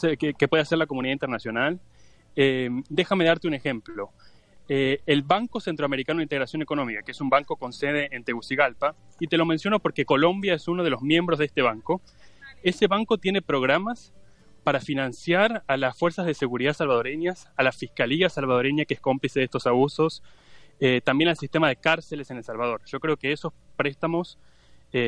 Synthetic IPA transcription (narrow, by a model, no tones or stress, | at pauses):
sekkepweðease̞ɾlako̞muniðaint̪eɾnasjo̞nal | ed̪e̞xameð̞aɾt̪eune̞xe̞mplo | eːlβaŋko̞se̞nt̪ɾoame̞ɾikanoint̪eɾasjo̞neko̞nõ̞mikakeesumbaŋko̞ko̞nseð̞e̞ːnt̪eɣusiɣalpa | it̪e̞lo̞mensjo̞nopo̞ɾkeko̞lo̞mbjaesuno̞ð̞elo̞zmje̞mbɾozðest̪e̞β̞aŋko | e̞se̞βaŋko̞t̪je̞nepɾo̞ɣ̞ɾamas | paɾafinãnsjaɾalasfweɾsazð̞ese̞ɣuɾiðasalβað̞o̞ɾeɲjasalasfihkaliasalβað̞o̞ɾeɲjakeehko̞mplise̞ðest̪osaβuso̞s | et̪ambje̞nalsist̪e̞mað̞ekaɾsele̞se̞nelsalβað̞o̞ɾʒ̥o̞kɾe̞okeeso̞spɾest̪amo̞s | e